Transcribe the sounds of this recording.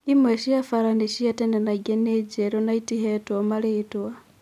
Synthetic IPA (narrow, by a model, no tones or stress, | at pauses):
imweʃiafaɾaniʃiatendenaɡened͡ʒeɾonaitiɦetomaleːtwa